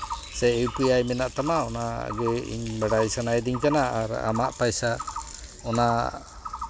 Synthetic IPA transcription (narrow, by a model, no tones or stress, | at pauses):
sɛewpɯjajmɛnaʔt̪amaɔna̰ɡɛḭɲbaɽajsanajd̪iɲkanaa̰ɾa̰maʔpajsa | ɔna